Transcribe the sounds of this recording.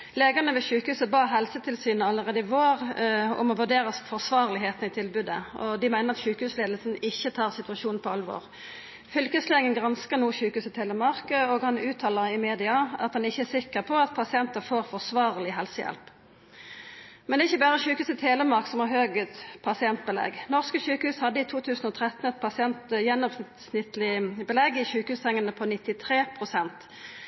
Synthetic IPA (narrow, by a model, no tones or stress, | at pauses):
leːɡəʁnəʋɛçʉːkəhʉːsəbɑːɦɛlsət̪ʰɪlsyːnəɑlːəʁeːd̪əɪʋoːʁɔ̰mɔʋʉʁɖeːʁəfɔsʋɑːʁlɪɦeːt̪n̩ɪt̪ʰɪlbʉːd̪əʔɔ̰d̪ɪmæɪnəʁɑt̪ɕʉːkəhʉːsleːd̪lsn̩ɪçːət̪ʰɑːʁsɪt̪ʉɑʃuːnn̩pʰɔɑlʋɔ̰ːʁ | fʏlkəsleːŋənɡʁɑnskəʁnuːçʉːkəhʉːsət̪ʰeːləmɑʁkəoːɡhɑnʉːt̪ʰɑːləʁɪmeːd̪ɪɑɑ̰t̪̚d̪ɑnɪçːəæsɪkːəʁpʰɔɑt̪̚pʰɑsɪɛnt̪əfoːʁfɔʁsʋɑːʁlɪɦɛlsəjɛ̰lp | mɛnɛːɪçːəbæːʁəçʉːkəʉːsət̪ʰeːləmɑʁksɔmɑʁhøːɡət̪pʰɑsɪɛnt̪̚bəlɛ̰ɡnɔʁskəçʉːkəhʉːshɑd̪ːəɪt̪ʰuːt̪ʰʉːsn̩ɔːt̪ʰʁɛt̪n̩ɛt̪̚pʰɑsɪɛnt̪jɛnːɔms | snɪt̪lɪbəlɛɡɪçʉːkəhʉːst̪ʰɛŋːənəpʰɔnɪt̪ːɪt̪ʰʁeːpʰʁʊsɛnt̪